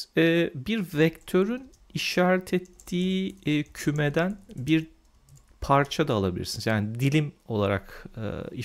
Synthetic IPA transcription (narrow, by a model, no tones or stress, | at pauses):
ɛːbiɾvɛct̪ʰø̞ɾyn | iʃaːɾɛt̪ʰɛt̪ʰːiːcʰymed̪ænbiɾ | pʰaɾt͡ʃʰad̪aːlˠa̰bilʲḭɾsinizjaːnid̪ilʲimo̞lˠa̰ɾa̰kɯ̰i